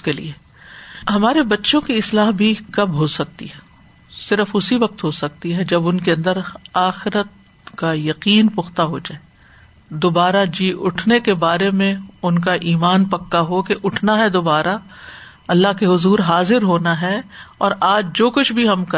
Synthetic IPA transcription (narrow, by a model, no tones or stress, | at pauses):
skelḭe | ɦɐmaːɾebɐtːʃõkiɪslaːɦbʱikɐbɦosɐk̚t̪ḭɦɛ | sɪɾəfʊsiʋɐq̚t̪ɦosɐk̚t̪iɦɛd͡ʒɐbʊnkeɐ̃nd̪əɾaːxɪɾət̪̚ | kajɐqiːnpʊxt̪aɦod͡ʒaːe | d̪oːbaːɾad͡ʒiːʔʊʈʰnekebaːɾemẽʊnk̬aʔiːmaːnpɐkːaɦokeʔʊʈʰnaɦɛd̪obaːɾa | ɐlːaɦkeɦʊzuːɾɦaːzɪɾɦoːnaɦɛɔːɾaːd͡ʒd͡ʒoːkʊt͡ʃʰbʱiɦɐmkɐ